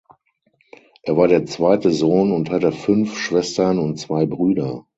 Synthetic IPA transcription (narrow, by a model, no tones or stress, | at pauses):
ʔeːɐvaːɐɾeːɐt͡sv̥aɪtəzoːnʊnthatəfʏnfʃv̥ɛstɐnʊntt͡sv̥aɪbʁyːdɐ